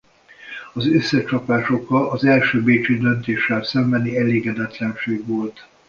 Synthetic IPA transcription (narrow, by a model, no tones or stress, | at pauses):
ɒzøsːɛt͡ʃɒpaːʃo̞kɒɒzɛlʃøːbeːt͡ʃid̪ø̞nt̪eːʃːɛlsɛmbɛniɛleːɡɛd̪ɛt̪lɛnʃeːɡʋo̞lt̪